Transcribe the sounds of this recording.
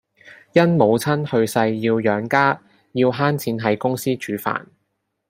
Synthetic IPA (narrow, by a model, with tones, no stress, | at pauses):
jɐ˥nmo˨˧wt͡sʰɐ˥nhɵ˧ɥsɐ˧jːiː˧wjœː˨˥ŋkaː˥ | jiː˧wɦaː˥nt͡sʰiː˨˥nɦɐ˨˥jkʊ˥ŋsiː˥t͡ʃyː˨˥fa̰ː˨˩n